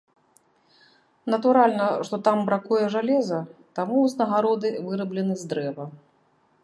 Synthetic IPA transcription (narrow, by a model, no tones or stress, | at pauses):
nɐt̪uɾalʲnɐʂt̪ɔt̪ambɾakujɛʐalʲɛzɐt̪amuːznɐɣaɾɔd̪ɨvɨɾɐblʲɛnɨzd̪ɾɛvɐ